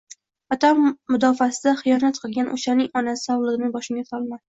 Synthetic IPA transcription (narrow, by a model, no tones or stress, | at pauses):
ɒt̪ʰamːʊd̪ɒfasɪd̪aχɨjɒnat̪qʰɨlˠɡʲanʔo̰ʃanɪŋɒnasɪ̥ɒwlˠɨʁɪnɪŋbɒʃɪŋɡʲasɒlˠma